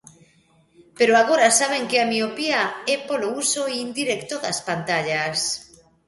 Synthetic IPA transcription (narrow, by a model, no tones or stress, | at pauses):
peɾoaɣ̞oɾasaβ̞eŋkeamiopiaepolousoiind̪iɾekt̪oðaspant̪aʎas